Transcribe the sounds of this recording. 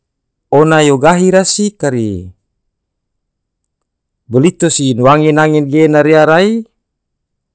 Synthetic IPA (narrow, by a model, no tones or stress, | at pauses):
onajoɡaɦiɾasikaɾḭ | bəlit̪osinwaŋenaŋɛnɡenaɾeaɾai